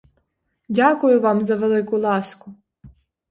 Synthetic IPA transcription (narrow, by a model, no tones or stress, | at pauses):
dʲakʊjʊʋɑmzɐʋelˠɪkʊlˠɑskʊ